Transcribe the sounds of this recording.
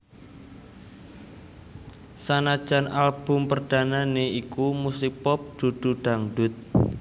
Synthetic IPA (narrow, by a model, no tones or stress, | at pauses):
sanad̥ʒ̥a̤nalb̥ʊ̤mpərd̥a̤naneikumusipɔp̚d̪̥ṳd̪̥ṳɖ̥a̤ŋɖʊ̤t̪̚